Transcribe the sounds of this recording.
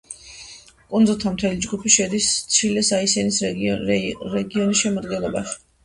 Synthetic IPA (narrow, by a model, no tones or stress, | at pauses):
kʼund̪zulˠt̪ʰamt̪ʰɛlid͡ʒɡupʰiʃɛd̪ist̪sʰilɛsaisɛnis | ɾɛɡiɔnisʃɛmad̪ɡɛnlˠɔbaʃi̥